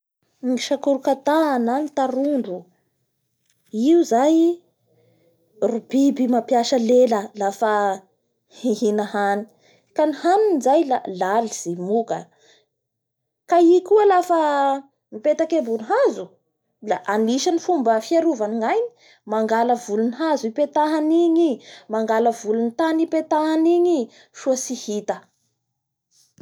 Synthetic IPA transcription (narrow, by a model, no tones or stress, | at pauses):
iŋiʃakuɾukat̪aananit̪aɾuɳɖ͡ʐu | iuzaj | rubibimapjaʃəleləlafə | iɦinahani̥ | kanihanunizajlalaliz̥imukə | kaikuəlafə | mipet̪akembuniɦazu | la̰ʔaniʃanifumbəfiaɾuvaniŋajni̥ | maŋɡaləvuluniɦazuipet̪aɦaniɲimaŋɡaləvulunit̪anipet̪aɦniɲi | ʃuəsihit̪ə